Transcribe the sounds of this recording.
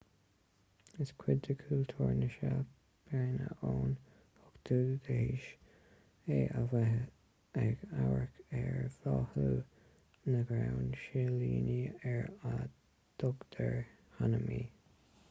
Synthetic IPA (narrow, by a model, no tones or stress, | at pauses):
ɪskʰwɪdd̪əkʰult̪ʰuːɹnəʃa | pʰeːnə̰ʔoːn | hʊkd̪̥uːd̪əhiːʃ | eːʔav | ɛɡawɹəkɛɹv̥ɑːhuː | nəɡɾawnʃeliːniɛɹa | d̪̥ʊɡd̪̥ʰəɹ | hanəmiː